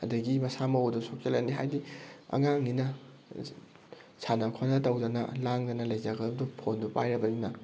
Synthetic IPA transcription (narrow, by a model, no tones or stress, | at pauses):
ɐ̰dɐɡimɐsamɐodusok̚elaniɦajdiɐ̰ŋaŋninɐ | sʰanɐkʰonɐtawdɐnɐ̰laŋdɐnɐlɐjzaɡɐdumdupʰondupa̰jɾɐbɐninɐ